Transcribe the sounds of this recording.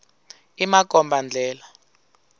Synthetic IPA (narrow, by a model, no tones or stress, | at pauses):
imak̬ʼɔmbʱand͡ɮʱɛːla